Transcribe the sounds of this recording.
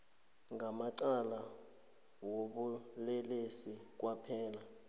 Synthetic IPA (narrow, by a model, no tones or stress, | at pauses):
ŋʱamaǀala | woɓulɛlesik̬wapʰɛːla